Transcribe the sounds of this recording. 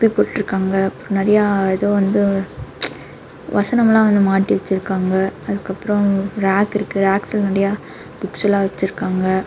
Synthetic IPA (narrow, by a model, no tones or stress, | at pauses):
pːipoːʈːʈːɾɯkːaːŋɡɐɐpːɾ̃nɛɾɐjaːɛðoːʋɐnd̪ɯ | ʋɐsɐnɐmlãːʋɐnd̪ɯmaːʈːiʋɐt͡ʃːɪɾɯkːaːŋɡɐɐðɯkːɐpːɯɾɔ̃ɾaːkɪɾɯkːɯɾaːksɪlnɐɾɐjaː | b̪ʊksɐlaːʋɐt͡ʃːɯɾɯkːaːŋɡɐ